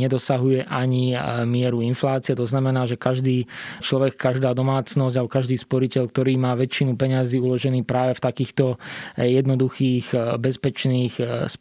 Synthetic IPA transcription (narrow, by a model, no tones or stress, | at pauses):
ɲɛd̪ɔsaɦujɛʔaɲimɪɛɾuinflaːt͡siɛt̪ɔznamɛnaːʒɛkaʒd̪iːt͡ʃlɔʋɛkːaʒd̪aːd̪ɔmaːt͡snɔzɟalbɔkaʒd̪iːspɔɾicɛʎk̚t̪ɔɾiːmaːʋɛt͡ʃinupɛɲaziːulɔʒɛniːpɾaːʋɛft̪akiːxt̪ɔjɛd̪nɔd̪uxiːɣbɛspɛt͡ʃniːxs